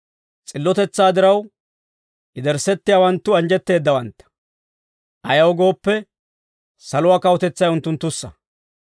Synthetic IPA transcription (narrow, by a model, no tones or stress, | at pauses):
t͡sʼɪlːɔt̪ɛt͡sːaːd̪ɪɾɐw | ʔɪd̪ɛɾsɛt̪ːɪjaːwɐnt̪ːʊɐnd͡ʒɛt̪ːe̞ːd̪ːɐwɐnt̪ːɐ̥ | ʔɐjɐwɡo̞ːpːɛ | sɐlʊaːkɐwɔt̪ɛt͡sːɐjʊnt̪ːʊnt̪ːʊsːɐ